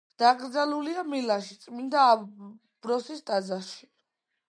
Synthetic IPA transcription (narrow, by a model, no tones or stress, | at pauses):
d̪̥aɡɾd̪zaluliamilaʃit̪sʼmind̪aː | b̥ɾɔsist̪ʼad̪zaʃi̥